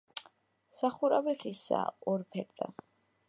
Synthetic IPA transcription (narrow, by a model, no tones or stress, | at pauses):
saχuɾaviχisa̰ɔɾpʰɛɾt̪ʼa̰